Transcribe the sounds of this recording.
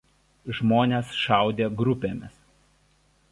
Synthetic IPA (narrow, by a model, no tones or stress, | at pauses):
ʒmoːnʲeːsʃɑˑʊd̪ʲeːɡɾʊpʲeːmʲɪs